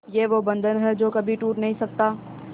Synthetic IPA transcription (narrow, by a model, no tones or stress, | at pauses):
jeːʋobɐ̃nd̪ʱənɦɛd͡ʒoːkɐbʱiʈuːʈnɐɦĩsɐk̚t̪aː